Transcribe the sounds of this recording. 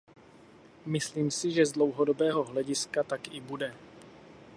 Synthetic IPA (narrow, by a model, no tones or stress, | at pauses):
mɪsliːmsɪʒɛzdlo̞wɦodo̞bɛːɦo̞ɦlɛɟɪskat̪akɪbudɛ